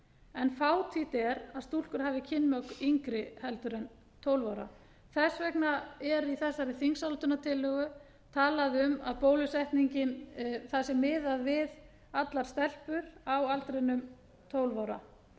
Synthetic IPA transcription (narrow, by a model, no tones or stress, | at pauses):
ɛnfaːwt̪ʰit̪ɛɾaðst̪ul̥kʏɾ̥ɦaːvɪcʰɪnːmœkiŋkɾɪhɛlt̪ʏɾɛn | t̪ʰoːwlvawɾa̰ | θɛsvɛknaɛɾiθɛsːaɾɪθiŋsalt̪ʏnat̪ʰɪlːœɣʏ | t̪ʰaːlaðʏmaðpoːwlʏsɛht̪niɲcɪnθasɛmːɪːðaðvɪð | at̪laɾ̥st̪ɛl̥pʏɾawalt̪ɾenʏm | t̪ʰoːwlvawɾa̰